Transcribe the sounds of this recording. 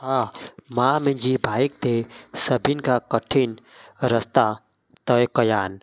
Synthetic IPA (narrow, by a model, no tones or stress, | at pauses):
amamend͡ʒibʱaːik̚t̪esəbinkakəʈʰinɾəst̪a | t̪əjkɐjaːn